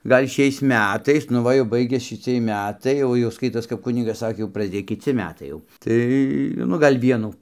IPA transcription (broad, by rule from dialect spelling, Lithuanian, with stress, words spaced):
ˈɡɐlʲ ˈʃʲɛɪs ˈmʲætɐɪs nʊ ˈʋɐ jɛʊ ˈbɐɪɡʲɛs ʃʲɪˈt͡sʲiɛj ˈmʲætɐɪ ˈjɛʊ jɛʊ ˈskɐɪtoːs kɐp ˈkʊnʲɪɡɐs ˈsɑːkʲeː jɛʊ prɐzʲˈdʲeːj kʲɪˈt͡sʲɪ ˈmʲæːtɐɪ jɛʊ ˈtɐɪ nʊ ˈɡɐlʲ ˈʋʲiɛnuː